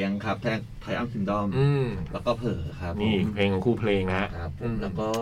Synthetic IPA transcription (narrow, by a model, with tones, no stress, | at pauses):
əŋkʰa˦˥p̚t̪ʰɛː˥˩ | t̪ʰa˨˧jʔa˥˩si˨˧˦ndɔ˥˩mʔɯː˧mlɛː˦˥kɔː˥˩pʰɤː˩kʰɾa˦˥pniː˥˧˩pʰleː˧ŋkʰɔ˧˩ŋkʰuː˥˩pʰleː˧ŋna˦˥ʔkʰa˦˥p̚ʰːo˧mlɛː˦˥kɔː˥˩